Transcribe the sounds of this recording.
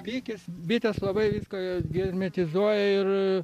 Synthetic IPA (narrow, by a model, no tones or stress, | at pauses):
pʲiːkʲɪsbʲɪt̪ʲɛslˠɐbɐɪʋʲiːskɐɡʲɛzʲmʲɛt̪ʲɪzuɔjɛɪr